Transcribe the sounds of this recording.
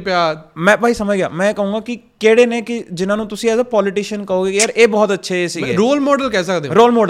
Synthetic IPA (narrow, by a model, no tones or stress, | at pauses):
pjaːmɛ̃ːpaːiːsəməd͡ʒɡea̰ːmɛ̃ːkəɦũːɡaːkɪkeːɽeːneːkɪd͡ʒɪnãːnũːt̪ʊsĩɛːd̪apɔːlɪʈiːʃənkəoːɡeːjaːɾʔeːbɔːt̪ətːʃʰeːsiːɡeːɾoːlmɔːɖəlkɛːsəkd̪eːɾoːlmɔːɖə